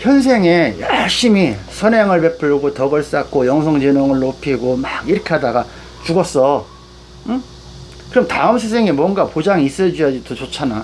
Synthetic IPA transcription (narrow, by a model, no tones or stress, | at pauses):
çjʌns̬ʰe̞ŋe̞jaɭɕ͈imisʰʌneŋɯɭpe̞pʰɯɭɡotʌɡʌɭs͈ak̚k͈ojʌŋs̬ʰʌŋd͡ʑenoŋɯɭːopʰiɡomaɡiɾʌkʰe̞ɦadaɡa | t͡ɕuɡʌs͈ʌ | kɯɾʌmtaɯmsʰesʰeŋemwʌnɡapod͡ʑaŋis͈ʌd͡ʑijad͡ʑidot͡ɕot͡ɕʰana